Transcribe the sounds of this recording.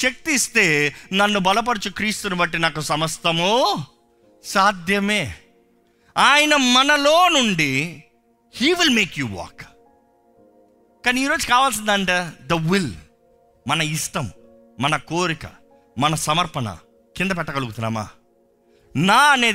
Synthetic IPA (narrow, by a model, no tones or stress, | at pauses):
ʃek̚t̪ist̪e̞ːnɐnːubɐlɐp̬ɐɽut͡ʃukɾiːst̪unibɐʈːinaːkusɐmɐst̪ɐmoː | saːd̪ʱjɐme̞ː | aːjɐnɐmɐnɐlo̞ːnuɳɖi | hiːʋilme̞ːkjuːʋɔ̰ːk | kaːniiːɾo̞ːd͡ʒukaːʋaːls̬ind̪ɐɳʈeːd̪ɐʋil | mɐnɐisʈɐm | mɐnɐkoːɾikɐ̥̰ | mɐnɐsɐmɐɾpɐnɐ̰ | kind̪ɐpɛʈːɐɡɐluɡut̪unːa̰ːma̰ː | naːɐne̞ː